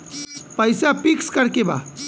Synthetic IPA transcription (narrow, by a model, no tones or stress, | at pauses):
pəjsapikskəɾkeba̰